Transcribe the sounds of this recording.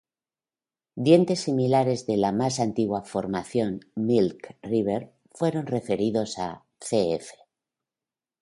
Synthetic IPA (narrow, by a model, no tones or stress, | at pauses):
d̪je̞nt̪e̞sːimilaɾe̞zðe̞lamasant̪iɣwafo̞ɾmaθjo̞nmilkriβ̞eɾ | fwe̞ɾo̞nre̞fe̞ɾiðo̞sa̰ | θeefe̥